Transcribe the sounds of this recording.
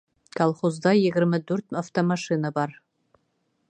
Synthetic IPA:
kɑlˠχozd̪ɑjɘ̆ɡɘ̆ɾmɘd̪ʉɾt̪aft̪omɑʃinɑbɑɾ

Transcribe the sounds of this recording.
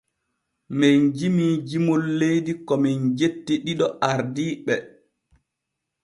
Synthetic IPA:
mɛnd͡ʒimiːd͡ʒimolːejdikɔmɛnd͡ʒetːiɗiɗɔʔaɾdiːɓɛ

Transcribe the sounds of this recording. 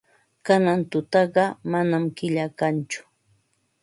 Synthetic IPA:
kanant̪ʊt̪ɑɢɑmanamkɪʎakant͡ʃʊ̥

